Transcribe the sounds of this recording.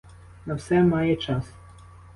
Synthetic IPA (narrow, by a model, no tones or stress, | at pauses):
nɐwsɛmɑjɛt͡ʃɑs